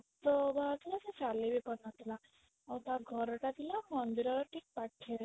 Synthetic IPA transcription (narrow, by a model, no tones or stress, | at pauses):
t̪ɔbat̪ʰilaset͡ʃalibipɔnat̪ʰila | awt̪aɡʱɔɾɔʈat̪ilamɔnd̪iɾɔɾɔʈʰik̚paʈʰːe